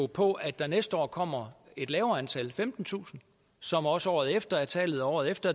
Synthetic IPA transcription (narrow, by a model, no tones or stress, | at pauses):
pʰɒ̽ʔæd̥ɑ̈nesd̥əɒ̰ːkʰɒ̽m̰ɐe̝d̥lɛːʊɐænt͡sʰælfemd̥n̩t͡sʰṵːsn̩ | sɒ̽mɒ̽səɒ̰ːð̞̩ˠefd̥ɐæɐt͡sʰɛ̰ːlð̩ˠɒɒ̰ːð̞̩ˠefd̥ɐ